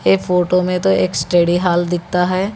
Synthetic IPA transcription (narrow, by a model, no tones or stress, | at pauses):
efʰoːʈomẽt̪oeːksʈeːɖiɦaːld̪ɪk̚t̪aɦɛː